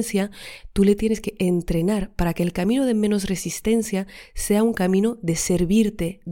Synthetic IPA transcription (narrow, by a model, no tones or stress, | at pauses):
nθjat̪ule̞t̪je̞neske̞ʔent̪ɾe̞naɾpaɾake̞ːlkamĩnoð̞e̞mẽ̞no̞sre̞sist̪e̞nθjase̞auŋkamĩno̞ðe̞se̞ɾβiɾt̪e̞